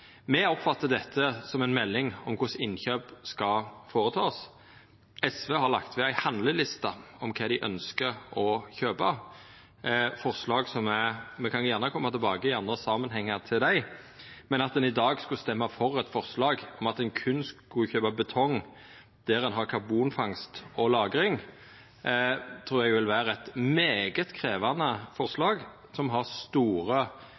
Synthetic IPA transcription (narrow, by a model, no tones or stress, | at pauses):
mɛɔpfɑt̪ːəd̪ɛt̪ʰːəsɔmɛnmɛlːɪŋɔmkʰʊsɪnçøːpskɑfoːʁət̪ʰɑːs | ɛsʋehɑʁlɑ̰kt̪ʋɛæɪhɑnd̪ləlɪst̪ɑɔmkʰɑːd̪ɪʔœ̰nskəɾɔçøːpɑ | fɔʁslɑːɡsɔmɛmɛkʰɑnjʊjæʁnəkʰɔmːɑt̪ʰɪlbɑːɡəɪɑnd̪ʁəsɑːmənɦɛŋːɑʁt̪ʰɪld̪æɪ | mɛnɑt̪̚d̪ɛnɪd̪ɑːɡskʉst̪ɛmːɑfɔʁɛt̪fɔɾslɑːɡɔmɑt̪ɛnkʰʉnːskʉçøːpɑbət̪ʰɔŋ | d̪̥æɾɛnɦɑɾkʰɑbuːnfɑŋst̪ɔlɑːɡɾɪŋ | t̪ʰɾuːɾjɛɡʋɪlʋæːɾɛt̪meːɡət̪kʰɾeːʋɑnəfɔʁslɑːɡ | sɔmɦɑʁst̪uːɾə